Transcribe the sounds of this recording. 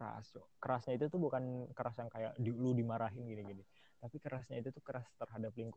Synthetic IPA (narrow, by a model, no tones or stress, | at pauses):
ɾa̰sd͡ʒo̰kəɾasɲait̪̬ut̪ʊhbukankəɾasjaŋkajaʔdiuludimaɾaɦɪnɡiniɡini | t̪apikəɾasɲait̪ut̪ʊhkəɾast̪ərɦadapliŋkʊ